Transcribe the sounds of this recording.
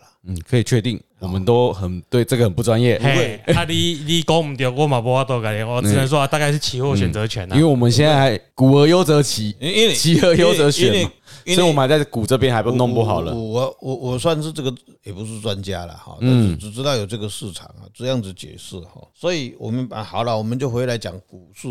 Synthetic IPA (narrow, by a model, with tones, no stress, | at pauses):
n̩˥˨˩kʰəɤ˧˥i˨˩t͡ɕʰɥɛ˥˧t̪i˥˩ŋwɔ˨˩mə˨˦nt̪o˦ʊxə˨˩nt̪we˥˧ɪʈ͡ʂɤ˥˩ɡə˨hə˨npu˥˩t͡swa˦njɛ˥˨e˧˩we˨˩a˥˧˩li˧li˧˦kɔ˦ŋ̩˨˩t̪ja˨˩ʊkwɔ˥˨ma˨˩pwɔ˧˥wa˥˩t̪ɔ˥˧ka˨˩lɛ˧˦nɔ˥˧˥nə˧˦s̬wɔ˦a˧t̪a˥˧ka˥˧ɪʂ̬̩˥˩t͡ɕʰi˧˥hwɔ˥˩ɕɥɛ˨˩nt͡sə˧˦t͡ɕʰɥɛ˨˧˦na˦we˥˩wɔ˨˩mə˦nɕ̬jɛ˥˧nt͡sa˥˩xa˧˦ɪku˨˩ə˧˦jo˥˦ʊt͡sə˧˦t͡ɕʰi˧˥˦t͡ɕʰi˧˥ə˧˥jo˥ʊt͡sə˧˥ɕɥɛ˨˦na˦sɔ˧˥˨wɔ˨˩ə˦na˧˩t͡sa˥˩ɪku˨˩ʈ͡ʂɤ˥˧p̬jɛ˥˦nha˧˥ɪpu˥˧˦nɔ˥˧ŋpu˥˩xɑ˨˩ʊlə̰˦˨˩wɔ˨˩wɔ˨˩swa˥˧nʂɻ̩˥˧ʈ͡ʂɤ˥˩ɡə˨˩ | jɛ˨˩pu˧˦ʂ̬ɻ̩˥˩t͡swa˦nt͡ɕja̰˦lə̰˨xɔ̰˧˨ta˥˧˩nʂ̩˥˩ʈ͡ʂɻ̩˨˩ʈ͡ʂɻ̩˥t̪ɑ˥˩ʊjo˨˩ʊʈ͡ʂɤ˥˩ɡə˨ʂɻ̩˥˩ʈ͡ʂʰɑ̰˨˩˦ŋɐ̰˨ʈ͡ʂɤ˥˧jɑ˥˩ŋd͡zɹ̩˨˩t͡ɕjɛ̰˨˩ʂɻ̩˥˩xɔ̰˥˩swɔ˧˥i˨˩wɔ̰˨˩mə˦n˩xɑ˨˩ʊlə˦wɔ˨˩mə˨˦nt͡ɕjo˥˩ʊxwe˧˥ɪla˧˦ɪt͡ɕjɑ̰˨˩ŋku˨˩ʂ̩˥˩˨